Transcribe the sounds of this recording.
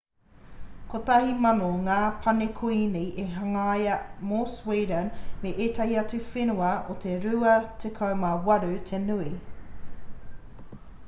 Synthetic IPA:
kotɐɦimɐnoŋaːpʰɐnekʰoiniʔeɦɐŋɐːjɐmoswiːdənmeʔeːtɐhiɐt͡sʉfenuɐo̰t̪ʰeɾʉɐt̪ʰekʰɐwmɐwɐɾʉt̪ʰenʉi

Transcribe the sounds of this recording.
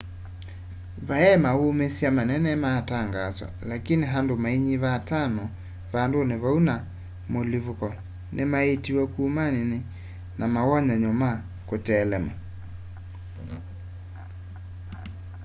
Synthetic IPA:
vaɛmawomesiamanɛnɛmaːtaŋɡazwa̰lakiniɦandomaiɲiβatanɔ | vandoneβauna | molivukɔ | nʔemaetiwɛkuːmanini | namaɣɔɲaɲɔma | kotɛːlɛma

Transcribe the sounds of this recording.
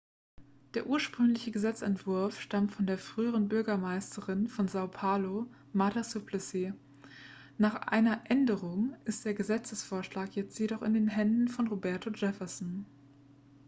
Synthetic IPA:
d̥eːɐʔuːɐʃpʁ̥ʏŋlɪçəɡəzɛt͡sɛntv̥ʊɐfʃtamtfɔndeːɐfʁ̥yːəʁənbʏɐɡɐmaɪstʰəʁɪnfɔnzaʊpʰaːlo | matasupʰlɛseː | naːχʔa̰ɪnɐʔɛndəʁʊŋʔɪst̚d̥eːɐɡəzɛt͡səsfoːɐʃlaːkjɛt͡stjedɔχɪndeːnɦɛndn̩fɔnʁobɛɐtʰod͡ʒɛfɐsn̩

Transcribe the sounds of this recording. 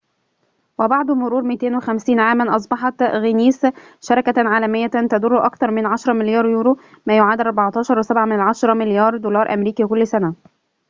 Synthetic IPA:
wæbɑʕd̪ˤmʊɾuːɾmɪt̪eːnwɪxæmsiːnʕaːmænʔɑs̬ˤbɑħɑt̪ɣɪniːs | ʃɑɾˤɑkæʕaːlæmɪjːæt̪æd̪ʊrːʊʔɑkt̪ɑɾˤmɪnʕaʃɾˤɑmɪljɑːɾˤjuːɾu | mæːjʊʕaːd̪ʔɑɾˤbɑʕɑt̪ˤɑːʃɑɾˤwɪsæbʕamɪnɪlʕɑʃɑɾˤɑmɪljɑːɾˤd̪olɑːɾˤʔæ̰mɾiːkiːkʊlːsænæ

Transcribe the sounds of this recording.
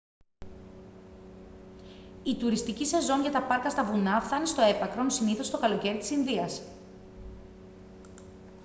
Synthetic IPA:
it̪uɾist̪icisezo̞ɲʝɐt̪ɐpɐɾkɐst̪ɐvunɐfθɐnist̪o̞e̞pɐkɾo̞nsiniθo̞st̪o̞kɐlo̞ce̞ɾit̪i̥sinðiɐs

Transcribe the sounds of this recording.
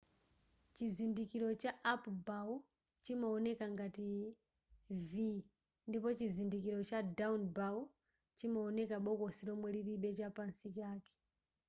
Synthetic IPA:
t͡ʃizindikiɾɔt͡ʃaʔːpbau | t͡ʃimɔɔnɛkaŋɡati | vi | ndipɔt͡ʃizindikiɾɔt͡ʃadaunbau | t͡ʃimɔɔnɛkaɓɔkɔsilɔmwɛliɾiɓɛt͡ʃapansit͡ʃaːkɛ̥

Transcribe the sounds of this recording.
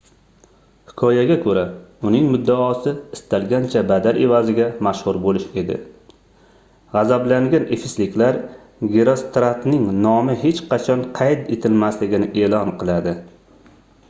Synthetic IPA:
hɪkʰɒjaɡʲakʰɵɾaʊnɪŋmʊd̪ːaːsɪːst̪alɡʲant͡ʃʰabad̪aɾevazɪɡʲamaʃhʊɾbolɪʃe̞d̪ɪ̰ | ʁɑzablaŋɡʲanefɪslɪkʲlaɾ | ɡʲeɾost̪ɾat̪nɪŋnɒmɪɦe̞t͡ʃqɑt͡ʃʰɒnqʰɑjt̪et̪ʰɪlmaslɪɡʲɪnɪʔe̞lɒnqʰɨlˠad̪ɪ

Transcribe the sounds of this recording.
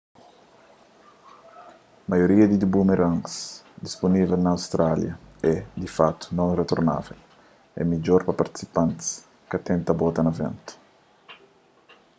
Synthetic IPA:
majoɾiɐd̪id̪ubumeɾaŋksd̪isponivelnaːwst̪ɾaljɐɛd̪ifat̪ːu̥nõŋret̪oɾna̰vel | ɛ̰mid͡ʒoɾpapaɾt̪i̥si̥pãnt̪s | kat̪ɛ̃nt̪abot̪ɐnavɛ̰nt̪u̥

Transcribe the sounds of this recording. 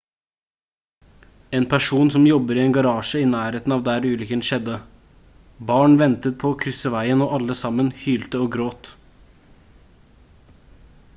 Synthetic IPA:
eːnpʰæʂuːnsɔmjɔbəɾɪeːnɡɑɾɑːʂəɪːnæːɾeːt̪n̩ɑːʋd̪æːɾʉːlʏkənʃɛd̪ːə | bɑːɳʋɛnt̪ət̪̚pʰɔːkʰɾʏsəʋæɪənoːʔɑlːəsɑmːənhyːlt̪əoːɡɾoːt̪

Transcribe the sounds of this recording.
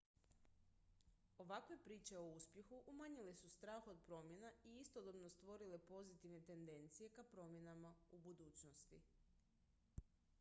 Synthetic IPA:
o̞ʋakʋe̞pɾiːt͡ʃe̞o̞uspje̞xuʔumaɲile̞sust̪ɾaːxo̞d̪̚pɾo̞mje̞naiist̪od̪obno̞st̪ʋo̞ɾile̞po̞zit̪iʋne̞t̪e̞nd̪e̞nt̪sije̞kapɾo̞mje̞namaubud̪uːt͡ɕnost̪i

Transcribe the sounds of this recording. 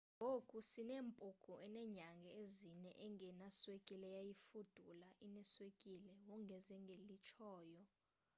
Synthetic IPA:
ŋʱokʼusineːmpʼukʼuʔɛnɛɲaŋɡʱɛezinɛʔɛŋʱɛnaswekʼilɛjajifud̥ʱulaʔinɛswekʼilɛwɔŋɡʱɛzɛŋɡʱelit͡ʃʰɔːjɔ

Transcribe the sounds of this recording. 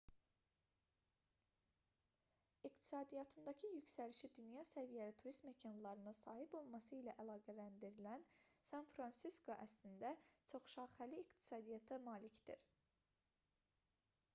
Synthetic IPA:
ikt̪ʰi̥sɑːd̪ijɑt̪ʰɯnd̪ɑcʰijycsæliʃid̪ynjɑsævijælit̪ʰuɾist̪mecʰɑnlˠɑɾɯnɯsɑːɦibo̞lˠmɑsɯilæʔælˠɑːɡælænd̪iɾilænsɑnfɾɑnsiskʰo̞ʔæslind̪æt͡ʃʰo̞χʃɑːʁhæliːkt̪ʰi̥sɑːd̪ijɑt̪ʰæmɑːlicd̪ḭɾ

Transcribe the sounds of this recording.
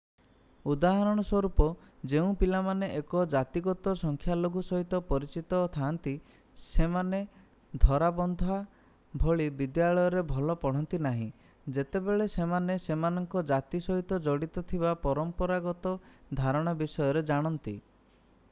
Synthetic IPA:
ud̪aɦaɾɔɽ̃ɔswɔɾupɔ | d͡ʒeũpilamaneʔekɔd͡ʒat̪iɡɔt̪ɔsɔŋkʰjaloɡusɔɦit̪ɔpɔɾit͡ʃit̪ɔt̪ʰant̪i | semane | d̪ʱɔɾabɔnd̪ʱɔa | bʱoɭibid̪jaɭɔjɔɾebʱɔlɔpɔɽ̤ɔnt̪inaɦḭ̃ | d͡ʒet̪ebeɭesemanesemanɔŋkɔd͡ʒat̪isɔɦit̪ɔd͡ʒɔɽit̪ɔt̪ʰibapɔɾɔmpɔɾaɡɔt̪ɔd̪ʱaɾɔɽ̃abisɔjɔɾed͡ʒaɽ̃ɔnt̪ḭ

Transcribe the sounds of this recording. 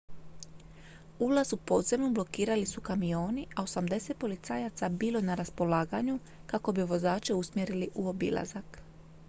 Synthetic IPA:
ulazupo̞ːd̪zemnoblo̞kiːɾalisukamio̞ːniʔao̞samd̪e̞se̞t̪̚po̞lit̪sajat̪sabiːlˠo̞naɾaspo̞laːɡaɲu | kako̞biʋo̞zaːt͡ʃeusmje̞ɾiliʔuo̞bḭlˠa̰zak

